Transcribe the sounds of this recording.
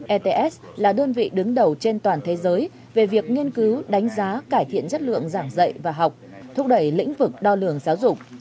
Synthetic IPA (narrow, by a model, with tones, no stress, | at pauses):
ʔɛ˧t̪e˧ʔɛ˦˥ | laː˨˩ɗəː˧nvḭ˧˨ɗɨ˨˦ŋɗə˨˩wt͡ɕe˧nt̪waː˨˩nt̪ʰe˨˦zəː˨˦j | ve˨˩vi˨˩ək̚ŋi˧ənkɨ˨˦wɗa˨˦jŋ̟zaː˨˦kaː˧˩jt̪ʰḭ˧˨ənzə˦˥t̚lɨ̰˧˨əŋzaː˧˩ŋzə̰˧˨jvaː˨˩ɦa˨˩wk͡p̚t̪ʰʊ˧˩k͡p̚ɗə˧˩jlḭ̈˧˥ŋ̟vɨ˨˩k̚ɗɔ˧lɨ˨˩əŋzaː˨˦wzʊ˨˩k͡p̚